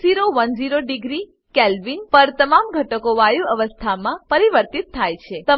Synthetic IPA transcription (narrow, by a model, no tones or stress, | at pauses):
ziɾoʋənd͡ʒiɾoɖiɡɾi | kelʋinpəɾt̪əmamɡʱəʈəkoʋajuəʋəst̪ʰamãpəɾiʋəɾt̪it̪ʰːajt͡ʃʰet̪ə